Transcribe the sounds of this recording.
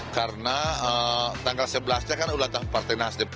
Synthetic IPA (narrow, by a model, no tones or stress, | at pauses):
karənaət̪aŋɡalsəbəlasɲakarnaulat̪ahpart̪ajnasdɪp